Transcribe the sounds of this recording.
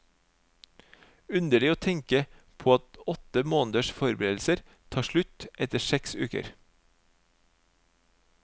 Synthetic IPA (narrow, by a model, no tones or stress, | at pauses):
ʉnd̪əɭɪoːt̪ʰɛŋkə | pʰoːɑt̪ɔt̪əmoːnd̪əʃfɔɾbɾeːd̪l̩səɾ | t̪ʰɑːʃɭʉt̪ʔɛt̪əsɛksʉ̰ːkə̰ɾ